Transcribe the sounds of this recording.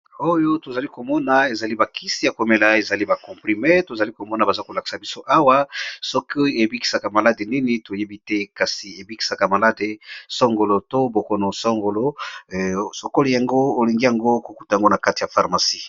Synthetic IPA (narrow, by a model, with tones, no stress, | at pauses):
o˦jo˦to˨za˨li˦ko˨mɔ˦na˨e˨za˨li˦ba˨kʰi˦si˦ja˨ko˨me˦la˨e˨za˨li˦ba˨kɔ̃˨pχi˨me˦to˨za˨li˦ko˨mɔ˦na˨ba˨za˦ko˨la˨ki̥˨sa˨bi˦so˦ʔa˦wa˦sɔ˦ko˦e˨bi˦ki̥˨sa˨ka˨ma˨la˦de˨ni˦ni˦to˨je˦bi˦tɛ˦ka˨si˨e˨bi˦ki̥˨sa˨ka˨ma˨la˦de˨sɔ˦ŋɡo˨lo˨to˦bo˨ko˨no˨sɔ˦ŋɡo˨lo˦˨ | so˨ko˦li˨ja˨ŋɡo˦o˨li˨ŋɡi˦ja˨ŋɡo˦ko˨ku˦ta˨ja˨ŋɡo˦na˨ka˦ti˨ja˨fa˨ʁma˨si˦